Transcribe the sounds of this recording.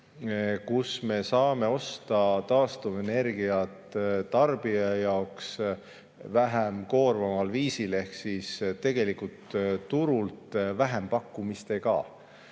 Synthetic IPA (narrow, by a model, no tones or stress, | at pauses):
kusme̞sɑːme̞o̞st̪ɑt̪ɑːst̪uve̞ne̞rɡiɑt̪t̪ːɑrb̥iɑjɑoks | væɦemko̞ːrvɑmɑlviːsile̞hksist̪e̞ɡ̥e̞likult̪ːuɾult̪væɦempɑkːumist̪e̞ɡɑ̰